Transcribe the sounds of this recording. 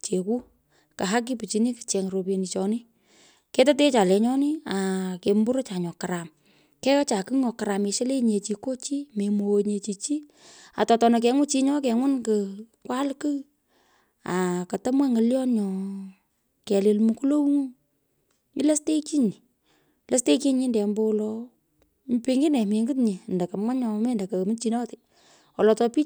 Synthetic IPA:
t͡ʃe˨ku˦ | ka˨ɦa˦k̬i˦pi˨t͡ʃi˨ni˦ki̥˨t͡ʃɛ˨ŋɾo˨p̬je˨ni˨t͡ʃɔ˨ni˦ | ke˦ta˦t̬e˦t͡ʃa˨lɛ˨ɲɔ˦ni˦a˨ke˨mbu˦ɾo˦t͡ʃa˨ɲɔ˨ka˨ɾa˨m | kɛ˦ka˦t͡ʃa˨kɨ˦ŋɔ˨ka˨ɾa˨me˨ʃe˦le˦ɲe˨t͡ʃi˧ko˦t͡ʃi˦me˨mo˨ɲe˨t͡ʃi˨t͡ʃi˦ | a̰˨tɔ˨tɔ˨na˨k̬ɛ˨ŋʊ˦t͡ʃi˦ɲɔ˦k̬ɛ˨ŋʊ˦nkɨ | kwa˦lkɨ˦ | a˨kɐ˨ta˦mwa˦ŋə˨ljɔ˦nɲɔ˨ | kɛ˨le˨lmu˨ku˦lo˦wŋu˦ | i˦la˦ste˦ki˦ɲi˨ | la˦ste˦ki˦ɲɪ˦ndɛ˨mbo˦lɔ˧ | pi˦ŋɡɪ˦nɛ˨mi˨ŋɡɨ˦tɲi˨ndɐ˨kɐ˨ma˦ɲɔ˨me˦ndɐ˨ka˨mi˦t͡ʃi˨nɔ˦tɪ˨ | wɔ˨lɔ˨tɔ˧pi˦

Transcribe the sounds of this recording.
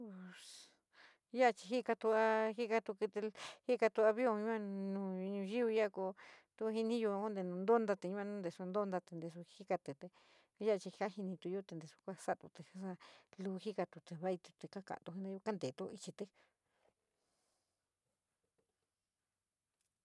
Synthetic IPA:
ja˦˧t͡ʃi˧ɦi˦˧ka˧t̪u˧a˧hi˦ka˧t̪u˧ki˧t̪e˧hi˦˧ka˧t̪u˧a˧βi˦o˧ɲũ˦a˧nũː˧˨˧ɲũ˧ʒi˦u˧ja˦˧ko˧t̪u˧˦˧ɦi˧nĩ˦ju˧o˦nd̪e˧nũ˧nd̪o˦nd̪a˧t̪e˧ɲũ˧˦a˧nũ˦nd̪e˨su˧nd̪o˦˧nd̪a˧t̪e˧nd̪e˧˨s̬u˧hi˦ka˧t̪e˨t̪e˧˦ | ja˦˧t͡ʃi˧ha˦hi˧nĩ˧t̪u˧jo˦t̪e˧nd̪e˨su̥˧kʷa˦sa˦˧t̪u˧t̪e˧˨a˧sa˧lu˧hi˦ka˧t̪u˧t̪e˧˨βa˦i˧t̪u˧t̪e˧ka˦ka̰˧˨t̪u˧i˧˦nẽ˧jo˧ka˦nd̪e˨t̪o˧i˧t͡ʃi˧t̪e˧

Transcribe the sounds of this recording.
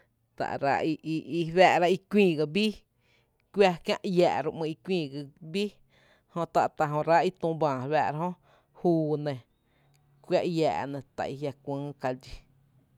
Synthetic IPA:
t̪a̰˨ʔɾa̰˧i˧ʔʔi˧βæː˧ʔɾa˧ʔi˧kʷĩː˧˨ɡa˧bi˦ | kʷja˦kjã˦˧ʔjaː˨ɾu˧ʔmɨ̃˧i˧kʷĩː˧˨ɡi˧bi˦ | hõ˧t̪a˨ʔt̪a˧ɦõ˧ɾa˦i˧t̪ũ˧bãː˨βaː˧˨ɾa˧ɦõ˦ | huː˧nẽ˧˨ | kʷja˦ʔja̰ː˧˨ʔnẽ˧t̪a̰˨ʔi˧ɦja˧kʷɨ̃ː˦ka˧d͡ʒi˧

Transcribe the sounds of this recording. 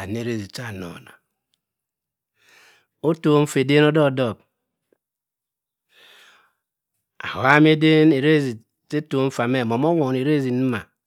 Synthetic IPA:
a˨n˨e˨˦˨ɾe˦˨zi˨t͡ʃa˦˨no̰˨na̰˨ | o˦to˨˦ɱ̩˦fe˨de˦nɔ˦dɔ˦˨dɔ˦˨k̚ | a̰˨ha˦m˦e˦de˦ne˨ɾe˦zi˨ | se˦to˨˦ɱ̩˦fa˨me˦˨mo˨mo˦wo˨ne˨ɾe˦zi˨ni˦ma̰˨

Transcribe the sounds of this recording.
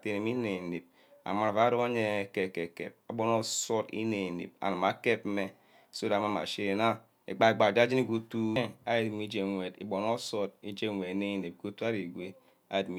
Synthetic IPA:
te˨ne˨mi˦ne˨ne˨p̚ | a̰˨ma˨ɾa˨va˦ɾo˦a˦ɲe˦˨ke˨ke˨kḛ˨p̚a˨bo˦no˦so˦tḭ˦ne˨nḛ˨p̚a̰˨na˨ma˨ke˦pme˨ | so˦da˨ma˦ma̰˨ʃe˦e˨na˦ | ḛ˨ɡ͡ba˨e˨ɡ͡ba˨d͡ʒa˦d͡ʒi˦ni˦ɡu˦tu˦a˨ji˨tmi˦d͡ʒe˨ŋʷe˨dḭ˨bo˨no˦so˦ti˦d͡ʒe˦ŋʷ˨e˨˦ne˦˨ne˨p̚ɡo˦tu˦a˦ɾi˨ɡʷe˦ | a̰˨i˨dm˦

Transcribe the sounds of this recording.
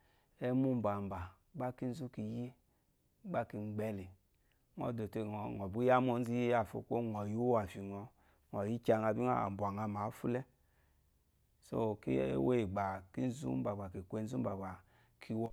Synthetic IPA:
ɛ˦mu˦m˦ba˨m˨ba˨˦ | a˦ki˦n̩˦zu˦ki˧ji˦ | ɡ͡ba˦ki˧ŋ͡mɡ͡bɛ˦li˨ | ŋɔ̰˨do˨te˧ŋ˨ŋɔ˨bi˦ja˦mo˧n̩˦zi˦ji˦ja˦˨fo̰˧˦ko˦ŋɔ˨ju˦wa˨fi˨ŋɔ˨ | ŋɔ˨ji˦t͡ʃa˧ŋa˧˨bi˦ŋa̰˦a̰˨m˨bu˨a˨ŋa˧ma˨˦fu˦lɛ˦ | so̰˦˨kḛ˦ḛ˦we˦˨ɡ͡ba˨ki˦n̩˦zṵ˦m˦ba˨ɡ͡ba˨ki˨kʷe˧˦n˦zu˦m̩˦ba˨ɡ͡ba˨ | kʰi˧wɔ˦

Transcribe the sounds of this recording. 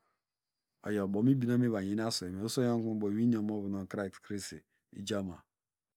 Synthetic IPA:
ɔ̰˨jɔ˨bo˨˦m˦i˦bi˦no˦me˦βa˨e˨˦n˦a˦su˨e˨me˨o˦so˦jo˦ŋ˦ku˦bo˨wi˦ni˦o˨˦mo˦vu˨no˨ka˦˨kskɾe˦sḛ˨ | ḭ˦d͡ʒa˦ma˨

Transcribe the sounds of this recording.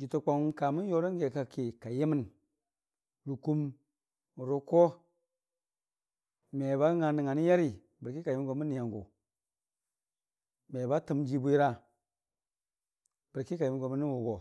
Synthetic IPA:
ɡi˨tu˨k͡po˨ŋ˦ka˨mi˦n˦jo˦ɾo˦ŋ˦ɡe˨ka˨ki˨ka˨je˦mi˦n | ɾu˨ku˦m˨ | ɾo˦ko˦ | me˨βa˦ŋa˨ni˨ŋa˨ni˦ja˦ɾi˨ | bi˨ɾki˦ka˨ji˦mi˦nko˨mi˦nːi˨ja˨ŋɡṵ˨ | me˨ba˦tə˦md͡ʒi˦bu˦i˦ɾa˦ | bi˨ɾki˦ka˨ji˨mi˨nɡo˨mi˦ni˦wu˨ɡo˨

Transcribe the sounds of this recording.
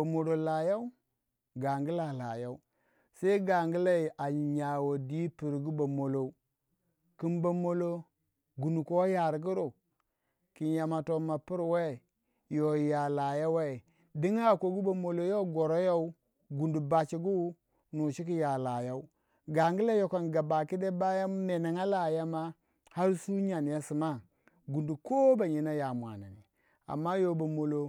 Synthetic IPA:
a˨mo˨lo˨la˨ja˦u˦ | ɡa˨ŋɡi˦la˨la˨ja˦u˦ | se˦i˦ɡa˨ŋɡi˦la˦i˨ʔa˨ɲa˨wo˨di˦pi˨ɾɡu˦bo˨mo˨lo˨˦ | ki˨mba˨mo˦lo˦ | ɡu˨nu˨ko˦ja˨ɾɡi˦ɾo˨ | ki˨nja˨ma˨to˨ma˨pi˦ɾwe˦˨ | jo˨ja˨la˨ja˦we˦˨ | di˦ŋa˦˨ko˨ɡu˦ba˨mo˨lo˨jo˦ɡo˨ɾo˦jo˦u˦ | ɡu˨ndu˨ba˨t͡ʃi˨ɡu˦ | nu˨ʃi˦ki˦ja˨la˨ja˦u˦ | ɡa˨ŋɡi˦le˦jo˨ko˨nɡa˨ba˨ki˦de˦ba˦ja˦me˨na˨ŋa˦la˨ja˦ma˦ | ha˦ɾsu˦ɲa˨n˨ja˦si˨ma˦˨ | ɡu˨ndu˨ko˦ba˨ɲi˨na˦ja˨mwa̰˨na˨nḭ˨ | a̰˨mːa˦jo˦ba˨mo˨lo˨

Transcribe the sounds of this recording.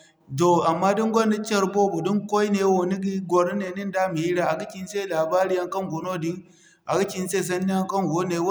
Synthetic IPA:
do˨a˨mːa˦di˦ŋɡʷɐ˦ni˦t͡ʃe˦ɾbo˦bu˨di˦ŋko˦jne˨˦wo˨ni˦ɡi˦ɡʷo˨ɾi˦ne˨ni˦nda˦mi˨hi˦ɾa˦a˨ɡi˦ki˨n˦se˦˨laː˨ba˦ɾi˦ja˦ŋkɐ˦ŋɡʷo˨no˦di˦ŋ | ʔa̰˨ɡi˦kʲi˨n˦se˦˨s̬ɐ˦nːi˦a˦ŋkɐ˦nɡo˦ne˨w

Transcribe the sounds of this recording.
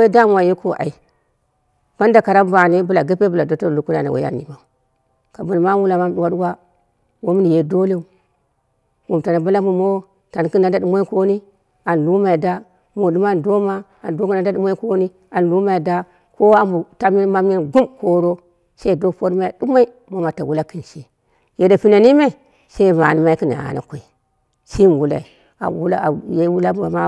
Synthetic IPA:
we˦da˦m˨a˨je˦ko˦ʔa̰˨i˨ | ma˦n˦da˨ka˨ɾa˦m˦ba˨ne˦bu˦la˨ɡə˦pe˦bu˨la˨do˨˦to˦˨u˨˦ku˦na̰˨nḛ˨wʔḛ˦a̰˨n˨ḭ˨ma˨ | ka˨bu˨n˨ma˦wu˦la˨ma˦m˦ɗu˦wa˦u˦wa˦ | wo˦m˦ni˨je˨do˦le˦u˨ | wu˨m˨ta˨na˨ba˦la˦mu˨mo˦w | ta˨n˨ki˦na˨nda˦ɗu˦mo˦i˦ko˦ni˦ | a˨n˨lu˦ma˨i˨da˦ | mo˨du˦ma˦n˨do˦ma˦ | a˨n˨do˦ku˦na˨˦da˦ɗu˦ma˦i˦ko˦ni˦ | a˨n˨lu˦ma˨i˨da˦ | ko˦a˦mbu˨ta˦i˦nma˦m˦i˦nɡu˦mko˦ɾo˦ | sa˦i˦do˦po˦ɾma˦i˨di˦ma˦i˦ | mo˦ma˨ta˨wu˦la˦ki˨nʃe˨ | je˨da˨pi˦na˨ni˦me˦ | se˦i˦ma̰˨ni˨ma˦i˦ki˦na̰˨a̰˨na̰˨ko˨i˨ | si˦m˨wu˦la̰˨i˨ | a̰˨wu˦la̰˦˨je˦wu˦la˦m˦a̰˨ma˦

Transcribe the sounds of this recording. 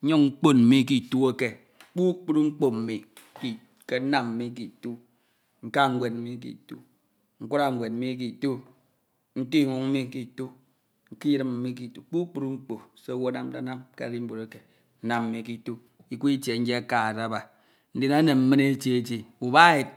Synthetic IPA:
ɲo˦ŋ̩˦k͡po˦nm̩˦mi˦k̬i˦tu˦e˦ke˨ | k͡pu˦k͡pu˦ɾŋ͡m̩˦k͡po˦m̩˨mi˨ | ki˨ | ke˦na˦mm̩˨mi˦k̬i˨tu˦ | ŋ̩˨ka˦ŋ̩˦ɡʷe˨t̩̚˦mi˦k̬ḭ˨tu˦ | ŋ̩˦ku˦ɾa˨ŋ̩˨ɡʷe˨t̚m̩˦mi˦k̬i˨tu˦ | n̩˦ti˦˨ŋʷu˨ŋm̩˦mi˦ki˨tu˦ | ŋ̩˨ki˦jɾi˦m̩˨mi˦k̬i˨tu˦k͡pu˦k͡pu˦ɾu˦ŋ͡m̩˦k͡po˨se˦wo˦na˦m˦da˦na˦mkḛ˦˨ɾi˦ŋ͡m̩˦bu˨ɾe˨˦ke˨˦ | na˨m̩˨mi˦ki˨tu˦ | i˦ku˦i˦t͡ʃe˨n̩˦d͡ʒe˦a˦ka˨a˨da˦ba˨ | n̩˦de˨na˦ne˨m̩˦me˦ne˦t͡ʃe˦ti˨u˨ba˦ji˨t̚

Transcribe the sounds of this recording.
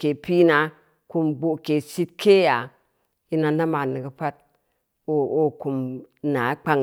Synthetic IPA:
ke˨pi˦na˦ | ku˦mbo˨ke˨si˦t̚kʰe˦ja˨ | i˦na˨na˦ma˨ni˨ɡə˨pa˦t̚ | o˦o˦ku˨mna˨˦k͡pa˨ŋ

